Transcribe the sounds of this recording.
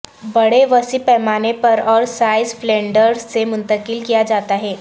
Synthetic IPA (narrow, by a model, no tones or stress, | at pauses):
bɐɽeʋɐsipɛɦmaːnepɐɾɔːɾsaːɪzflɛ̃ːɳɖəɾsemʊ̃nt̪əkɪlkijad͡ʒaːt̪aɦɛː